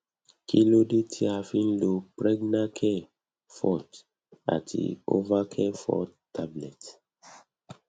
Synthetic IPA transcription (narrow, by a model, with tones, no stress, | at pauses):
kʰi˦lo˦de˦tʰi˦a˨fĩ˦nlo˨pɹɛ˦ɡna˦kʰɛ˦ | fɔ˦t | a̰˨tdḭ˨o̰˦va˦kʰɛ˦fɔ̰˦ttːa˦blɛ˨t